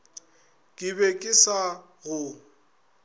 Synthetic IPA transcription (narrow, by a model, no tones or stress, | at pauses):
kʼɪbɛkʼɪsa | ɣʊ